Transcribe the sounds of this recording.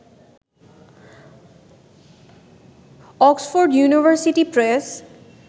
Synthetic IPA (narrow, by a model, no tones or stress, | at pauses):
ɔksfoɹɖjuniʋʱəɹsiʈipɹɛs